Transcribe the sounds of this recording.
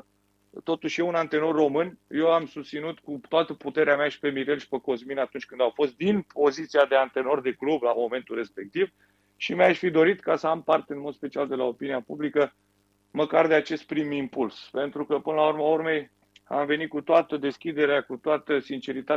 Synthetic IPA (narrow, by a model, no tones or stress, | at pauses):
t̪ot̪uʃʲjeunant̪e̞no̞rːo̞mɨnje̞wamsust̪sinut̪kut̪oat̪əput̪e̞ɾeamaʃi̥pe̞miɾe̞lʃi̥peko̞zminat̪unt͡ʃʲkɨnd̪awfo̞st̪̚d̪inpʰo̞zit̪siad̪eant̪e̞no̞rd̪e̞klublamo̞me̞nt̪ulrɾe̞spe̞k̚t̪iv | ʃimʲaʃfid̪o̞ɾit̪kasəampart̪eɨnmo̞d̪spe̞t͡ʃiald̪e̞lao̞piniapublikə | məkard̪eat͡ʃe̞st̪̚pɾimimpulspe̞nt̪ɾukəpɨnəlaurməaurme̞j | a̰mve̞nit̪̚kut̪oat̪əd̪e̞skʲid̪e̞ɾeakut̪oat̪əsint͡ʃe̞ɾit̪a